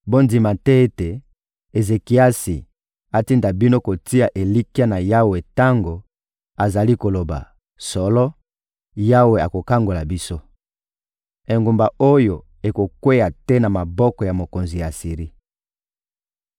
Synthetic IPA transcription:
bo˦ndi˨ma˨tɛ˦e˦te˨ | e˨ze˨ki˨˦a˦si˨ | a˨ti˦nda˨bi˦no˦ko˨ti˦a˨ʔe˨li˦ki˦a˦na˨ja˦we˨ta˦ŋɡo˨ | a˨za˨li˦ko˨lo˨ba̰˨ | sɔ˨lɔ˦ | ja˦we˨a˨ko˨ka˦ŋɡo˨la˨bi˦so˦ | e˨ŋɡu˨mba˨o˦jo˨ | e˨ko˨kwe˦ja˨tɛ˦na˨ma˨bɔ˦kɔ˨ja˨mo˨ko˨nzi˨ja˨si˨ʁi˦

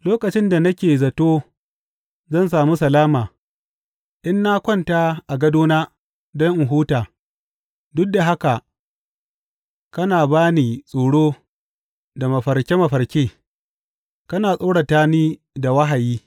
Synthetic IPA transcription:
loː˦kɐ˨t͡ʃɪ˦nda˨nɐ˦kʲeː˨zɐ˨toː˦ | zɐ˦˨ns̬aː˨mu˦sɐ˨laː˦maː˨ | ʔɪ˦nːa˦kʷɔ˦˨nta˦ʔa˨ɡɐ˦doː˦naː˦ | dɔ˦ŋʔɪ˨ɦuː˦taː˨ | dʊ˦k̚da˨ɦa˦ka˨ | kɐ˦naː˨baː˦niː˨sʼoː˨ɽoː˦ | da˨mɐ˨ɸɐ˨rkʲe˦mɐ˨ɸɐ˨rkʲeː˦ | kɐ˦naː˨sʼoː˦ɽa˨taː˦niː˦ | da˨wɐ˦ɦa˨jiː˦

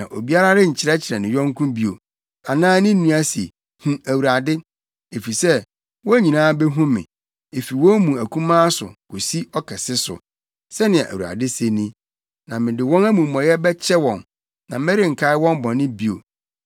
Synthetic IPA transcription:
nã̰˨ʔo˨bi˦a˦ɾa˦ɾɪ˦ɲ̩˨t͡ɕʰɪ˨ɾɛ˦t͡ɕʰɪ˨ɾɛ˨nɪ̃˨jɔ̃˦ŋ˦kʰʊ̃˦bi˦o̰˨ | a˨nãː˦nɪ̃˦n̩˦nũ˦a˦sḭ˨ | hũ˦æ˨wu˨ɾa˨dɪ˦ | e˨fi˨sɛ˦ | wɔ˦ɲĩ˨nãː˦bɛ˦ɦũ˦mɪ̰̃˨ | e˨fi˨wɔ̃˦mũ˨æ˨kʰũ˦mãː˦sʊ̰˨ko˨si˦ɔ˦kʰɛ˨sɪ˦sʊ̰˨ | sɛ˦nɪ̃˨ɛ˨ʔæ̰˨wu˨ɾa̰˨dɪ˦se˦nĩ˦ | nã˨mɪ̃˨dɪ˨wɔ̃˦næ˦mũ˨mːɔ̃˨jɛ˦bɛ˦t͡ɕʰɛ˦wɔ̃˨n | nã˨˦mɛ˦ɾɪ˦ŋ̩˨kʰa˦ɪ˦wɔ̃˦m˦bɔ̃˨nɪ̃˦bi˦o˨

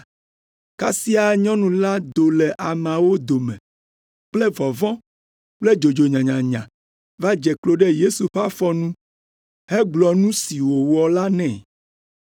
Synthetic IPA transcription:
ka˦si˦a˨ɲɔ̃˦nũ˨la˦d̪o˨lɛ˨ʔa˨mã˨wo˦d̪o˨mɛ̰̃˨ | k͡plɛ˦vɔ˨vɔ̃˦ | k͡plɛ˦d͡ʒo˨d͡ʒo˨ɲã˨ɲã˨ɲã˨ | va˦d͡ʒɛ˨klo˦ɖɛ˦je˦su˨ɸa˦fɔ˦nũ˦ | hɛ˦ɡ͡blɔ˨nũ˦si˨wo˨wɔ˨la˦nɛ̃˨

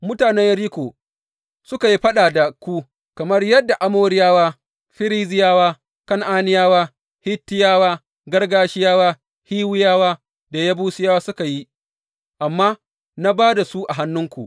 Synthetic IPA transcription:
mʊ˦taː˨nɛ˦jjɐ˦ɾiː˦kʷoː˨ | sʊ˦ka˨ji˦ɸɐ˦ɗaː˨da˨kʷu˦ | kɐ˨mɐ˦rjɐ˦dːa˨ʔa˦moː˦ɾɪ˦jaː˦waː˦ | ɸɪ˦ɾiː˦zɪ˦jaː˦waː˦ | kɐ˦ŋʔaː˦nɪ˦jaː˦waː˦ | hɪ˦tːɪ˦jaː˦waː˦ | ɡɐ˦rɡaː˦ʃɪ˦jaː˦waː˦ | hiː˦wɪ˦jaː˦waː˦ | da˨ja˦buː˦sɪ˦jaː˦waː˦sʊ˦ka˨ji˦ | ʔa˨mːaː˦ | na˦baː˦da˨su˦ʔa˨ɦa˦nːʊ˦ŋkʷṵ˨ʔ

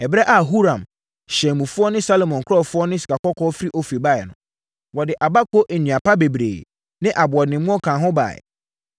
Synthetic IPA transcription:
ɛ˨bɾɛ˦ʔa˨ɦu˦ɾã˨m | ɕɛ̃˨mũ˨fʊ˦ɔ˦nɪ̃˦sa˦lo˨mɔ̃˨n˨kʰʊ˦ɔ˦˨fʊ˦ɔ˦nɪ̃˦si̥˨kʰa˨kɔ˦kʰɔː˦fɾi˦ʔɔ˦fi˨ba˦˨ɛ˨nʊ̰̃˨ | wɔ˨dɪ˨ʔa˨ba˦ko˦ʔɛ˨nĩ˨a˨pʰa˦be˨bɾḛː˨ | nɪ̃˦ʔa˨bʊ˨ɔ˨nɪ̃˨˦mũ˦ɔ˦kʰãː˨ɦʊ̃˦ba̰˨ɛ̰˨

